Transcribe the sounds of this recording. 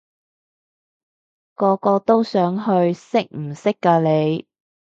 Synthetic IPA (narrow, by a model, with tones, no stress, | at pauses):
kɔː˧kɔː˧t̪o˥wsœː˨˥ŋɦɵ˧ɥsɪ˥k̚m̩˨˩sɪ˥kːaː˧le˨˧j